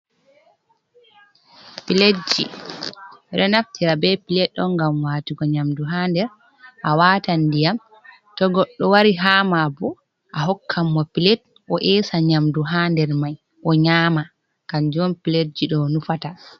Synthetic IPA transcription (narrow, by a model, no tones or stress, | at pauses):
piled͡ʒḭ | ɛɗɔnaftʰiɾabɛpilɛtːɔŋɡamwaːtiɡɔɲamduɦandɛɾ | ʔawaːtandijam | tɔɡɔɗːɔwaɾiɦaːmabɔ | ʔaɦɔkʰːamːɔpilɛt | ʔɔʔɛːsaɲamduɦandɛɾmaj | ʔɔɲaːma | kaɲd͡ʒɔmpiled͡ʒiɗɔnufata